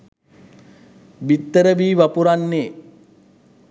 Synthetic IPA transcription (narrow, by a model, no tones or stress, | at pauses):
bit̪ːəɾəbiːʋapuɾanːeː